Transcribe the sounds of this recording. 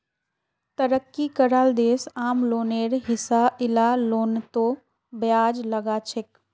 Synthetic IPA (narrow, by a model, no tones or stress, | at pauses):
t̪əɾəkːikəɾaːld̪eːsaːmloːneːɾɦɪsaɪlaloːnt̪o | bjaːd͡ʒləɡat͡ʃʰɪk